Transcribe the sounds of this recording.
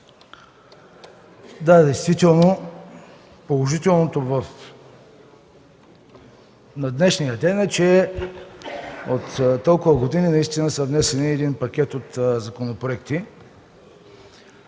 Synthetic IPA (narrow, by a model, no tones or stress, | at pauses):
d̪ad̪ɛjst̪vit̪ɛlˠno | polˠoʒit̪ɛlˠnot̪ovəf | nɐd̪nɛʃnijəd̪ɛnɛt͡ʃɛ | ot̪t̪ːɔlˠkʊvəɡod̪ininɐist̪inəsəvnɛsɛniɛd̪inpɐkʲɛt̪ot̪zɐkonopɾoɛkt̪i